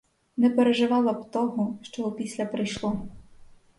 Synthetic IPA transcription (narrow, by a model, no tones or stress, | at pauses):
nɛpeɾeʒɪʋɑlˠɐbt̪ɔɦɔʃt͡ʃɔɦɔpʲisʲlʲɐpɾɪjʃlˠɔ